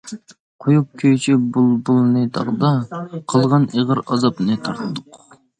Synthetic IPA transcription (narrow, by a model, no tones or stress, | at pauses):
qʰojup̚kʲʰøjt͡ʃʰibulˠbulˠnɨt̪ʰɑ̰ʁd̪ɑqʰəlˠʁɑneʁəɾɑzɑpnɨt̪ʰɑɾt̪ʰɨd̪ʊq